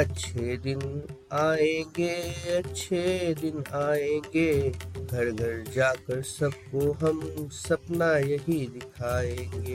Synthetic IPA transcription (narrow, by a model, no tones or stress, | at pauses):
ɐtːʃʰed̪ɪn | aːẽːŋɡeːɐtːʃʰed̪ɪnaːẽːŋɡeːɡʱɐɾɡʱɐɾd͡ʒaːkɐɾsɐb̚koɦɐmsɐpnajɐɦid̪ɪkʰaːẽːŋɡeː